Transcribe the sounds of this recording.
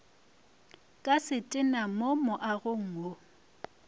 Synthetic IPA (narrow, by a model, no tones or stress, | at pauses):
kʼasɪtʼɪnamomʊʔaɣʊŋ̩o